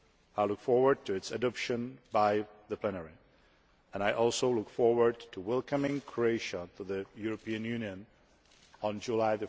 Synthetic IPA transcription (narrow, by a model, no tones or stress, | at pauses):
aɪlʊkfɔɹwə˞d̚tʰɨɨtsɨdʌpʃɨ̃nbaɪðɨpʰlɛnəɹi | ɨ̃naɪʔɔlˠsoʊlʊkfɔɹwə˞d̚tʰəwɛlˠkʰə̃mɪ̃ŋkʰɹoeɪʃətʰəðɨjuɹɨpʰiɨ̃njʉnjɨ̃ñ | nd͡ʒulaɪðɨ